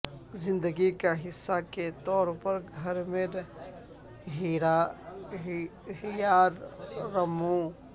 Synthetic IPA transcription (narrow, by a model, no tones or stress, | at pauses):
zɪ̃nd̪əɡikaɦɪsːaket̪ɔːɾpɐɾɡʱɐɾmẽɾ | ɦiɾa | hijaːɾːɐmõ